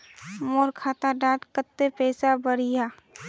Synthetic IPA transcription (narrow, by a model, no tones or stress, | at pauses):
moːɾkʰaːt̪aɖaːt̪kət̪ːepɛːsabəɾijaː